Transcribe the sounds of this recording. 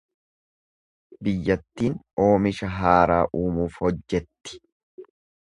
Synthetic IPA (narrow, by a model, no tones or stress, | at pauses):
bɪjːɐt̪ːiːn | o̞ːmɪʃɐɦaːɾaːʔuːmuːfhɔd͡ʒːɛt̪ːɪ̥